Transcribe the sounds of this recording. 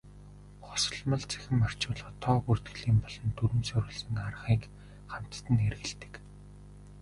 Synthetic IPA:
χɔ̥sə̆ɮmə̆ɮt͡sʰæ̥xʲɪ̆mːar̥t͡ɕʊːɮə̆t̪ʰːɔːɣur̥t̪ɡɘ̆ɮiːmpɔɮ̥ɞ̆nt̪ʰuɾɘ̆msɵɾʲɘ̆ɮsɘ̆ŋarə̆χiːk | χam̥t̪t̪ɘ̆nerɣɘ̆ɮt̪ɘ̥̆k

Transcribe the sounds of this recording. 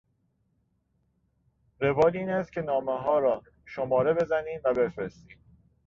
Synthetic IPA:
ɾevɒːd̪iːnæst̪̚cʰe̞nɒːmeɦɒːɾɒː | ʃomɒːɾe̞be̞zæniːmvæbe̞fɾest̪iːm

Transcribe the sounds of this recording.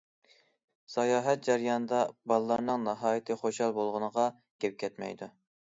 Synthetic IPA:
sɑjɑːɦɛt̪̚d͡ʒɛɾjɑnɨd̪ɑbɑlˠɨlˠɑɾnɨŋnɨɦɑːjɪt̪ʰɨχoʃɑlˠbolˠʁʊnəʁɑ | ɡ̥ʲep̚kʲʰɛt̪mɛ̰jd̪u

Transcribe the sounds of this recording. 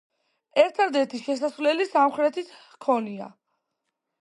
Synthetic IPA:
ɛɾt̪ʰad̪ɛɾt̪ʰiʃɛsasvlɛlisamχɾɛt̪ʰit̪ʰ | kʰɔnia̰

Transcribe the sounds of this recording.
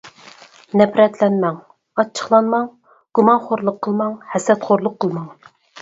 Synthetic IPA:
nɛpʰɾɛt̪ʰlɛnmɛŋ | ɑt͡ʃʰːə̥χlˠɑnmɑŋ | ɡ̥umɑnχoɾlˠʊqʰːəlˠmɑŋhɛsɛt̪χoɾlˠʊqʰːəlˠmɑŋ

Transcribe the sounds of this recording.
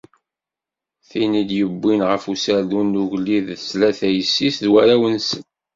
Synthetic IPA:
θinid̪jəbːinʁəfusæɾðunːuʝlːiðslæθæjəsːisðwæɾæwənsən

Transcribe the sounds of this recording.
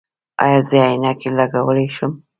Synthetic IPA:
a̰jɑzəajinakelaɡawəleʃʊm

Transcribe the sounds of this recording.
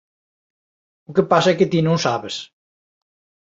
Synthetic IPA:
ukepasɐɛket̪inõwsaβes

